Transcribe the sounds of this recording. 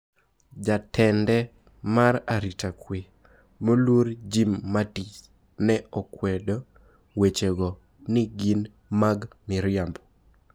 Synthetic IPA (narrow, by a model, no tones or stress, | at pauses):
d͡ʒatʰɛndɛ | maɾaɾitakwe | molwoɾd͡ʒimːatit͡ʃ | nɛɔkwɛdo | wet͡ʃeɡɔ | nɪɡin | maɡmɪɾɪambɔ